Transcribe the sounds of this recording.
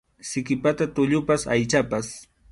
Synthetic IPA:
sɪkɪpat̪at̪ʊʎʊpasajt͡ʃapas

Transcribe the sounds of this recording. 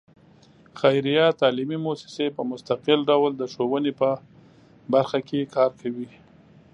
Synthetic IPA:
xajɾijɑt̪ɑlimimosɪ̥sepəmʊst̪aqɪlɖawld̪əʃowənepə | baɾxakekʰɑɾkʰawi

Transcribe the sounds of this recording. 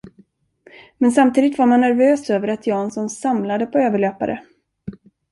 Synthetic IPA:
mɛnsamt̪iːd̪ɪt̪vaɾmanːæɾvøːsøːvəɾat̪ʰjɑːnsɔmsamlad̪əpʰɔøːvəɭøːpa̰ɾə̰

